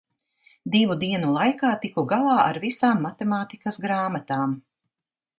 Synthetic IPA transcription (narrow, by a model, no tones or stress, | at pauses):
d̪ivud̪iɛnulˠajkaːt̪ikɔɡalˠɑːʔa̰ɾvisaːmːat̪emaːt̪ikɐsɡɾaːmat̪aːm